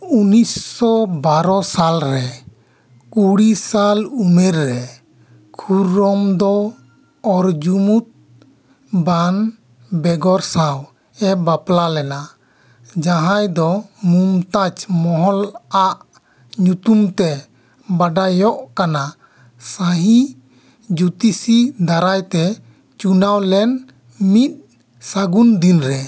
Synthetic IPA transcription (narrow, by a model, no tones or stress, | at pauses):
unisːɔbaɾɔsalɾɛ | kuɽisalumɛɾːɛ | kʰuɾːɔmd̪ɔː | ɾd͡ʒumut̪̚ | ban | bɛɡɔɾsãw | ɛbaplalɛna | d͡ʒaɦãjd̪ɔmumt̪at͡ʃmɔɦɔlaʔ | ɲut̪umt̪ɛ | baɖajɔʔkana | saɦi | d͡ʒut̪isid̪aɾajt̪ɛ | t͡ʃunawlɛn | mit̪̚ | saɡund̪inɾɛ